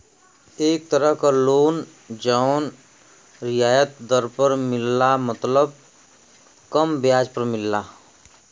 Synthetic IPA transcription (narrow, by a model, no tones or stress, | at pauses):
eːk̚t̪əɾəɦkaloːn | d͡ʒaːn | ɾɪjaːjət̪̚d̪əɾpəɾmɪlːamət̪ləb̚ | kəmbjaːd͡ʒpəɾmɪlːaː